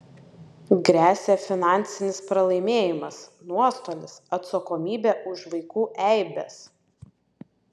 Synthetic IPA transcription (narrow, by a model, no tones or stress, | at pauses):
ɡɾʲæːsʲɛfʲɪnɑˑnʲt̪sʲɪnʲɪspɾɐlˠɐɪmʲeːjɪmɐsnuɔst̪oːlʲɪsɐt̪sɐkoːmʲiːbʲɛʔʊʃʋɐɪkuːʔɛɪbʲɛ̰s